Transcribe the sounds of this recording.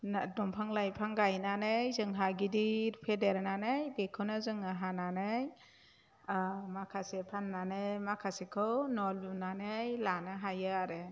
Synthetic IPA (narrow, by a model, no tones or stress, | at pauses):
dɔmpʰaŋlajpʰaŋɡajnanɯjzɯŋɦaɡidiɾpʰedeɾnanɯjbekʰɯwnɯzɯŋaɦananɯj | makʰasepʰanːanɯjmakʰasekʰɯwnɔlunanɯjlanɯɦajɯaɾɯ